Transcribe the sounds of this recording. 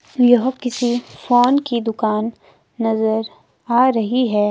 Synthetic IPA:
jɐɦkɪsifɔːnkid̪ʊkaːnː | ɐzəɾ | aːɾɐɦiɦɛː

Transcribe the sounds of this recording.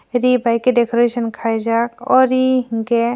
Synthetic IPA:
ɾibajkeɖekoɾeʃənkʰajd͡ʒakɔɾike

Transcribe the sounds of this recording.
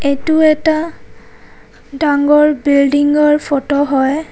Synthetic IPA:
etuɛta | daŋɡɔɹbildiŋɔɹpʰotoɦɔj

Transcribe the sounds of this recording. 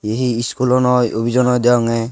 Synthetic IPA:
eɦiiskulɔnɔjobʱid͡ʒɔnɔjd̪eɔŋe

